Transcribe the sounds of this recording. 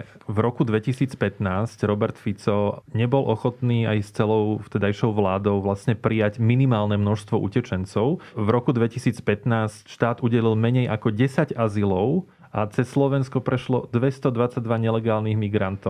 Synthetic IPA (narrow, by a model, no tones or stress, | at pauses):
vɾɔkud̪ʋɛcisiːt͡spɛt̪naːscɾɔbɛɾt̪fit͡sɔɲɛbɔlʔɔxɔt̪niːajst͡sɛlɔʊt̪ɛd̪ajʃɔʊʋlaːd̪ɔʊʋlasɲɛpɾijaɟminimaːlnɛmnɔʃst̪ʋɔʔṵcɛt͡ʃɛnt͡sɔʊvɾɔkud̪ʋɛcisiːt͡spɛt̪naːscʃt̪aːd̪uɟɛlilmɛɲɛjʔakɔɟɛsaɟazilɔʊ | at͡sɛsːlɔʋɛnskɔpɾɛʃlɔd̪ʋɛst̪ɔd̪ʋat͡saɟ̚d̪ʋaɲɛlɛɡaːlniɣmiɡɾant̪ɔ